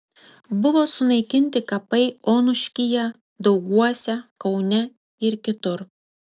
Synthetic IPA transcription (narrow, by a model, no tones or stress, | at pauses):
bʊʋoːsʊnɐɪkʲɪnʲt̪ʲɪkɐpɐɪoːnʊʃʲkʲɪjɛ | d̪ɒʊɡuɔsʲɛkɐʊnʲɛ | ɪɾkʲɪt̪ʊɾ